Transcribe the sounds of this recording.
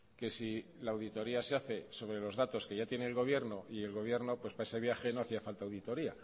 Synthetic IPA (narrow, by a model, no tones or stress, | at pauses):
ke̞si | laːwðit̪o̞ɾiaseaθe̞so̞βɾe̞lo̞zðat̪o̞ske̞ʝat̪je̞ne̞ːlɣo̞β̞je̞ɾno̞ʔie̞lɣo̞βje̞ɾno̞pwe̞spae̞se̞β̞jaxe̞no̞aθiafalt̪aːwðit̪o̞ɾia